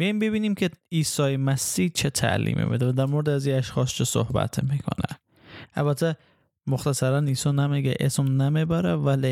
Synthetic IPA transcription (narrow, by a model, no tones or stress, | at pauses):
bejimbebiːniːmkʲʰeiːsɒːjemæsːiːht͡ʃʰet̪ʰæ̰ʔlḭːmʔḭbed̪evæd̪æɾmoɾed̪æziːæʃxɒːst͡ʃʰeso̰hbæ̰t̪ʰmiːkʰo̰næ̰ | ʔæ̰lbæt̪ʰːe | moxt̪ʰæsæɾæniːsɒːnæmeɡɛʔḛsmnæmebæɾævæle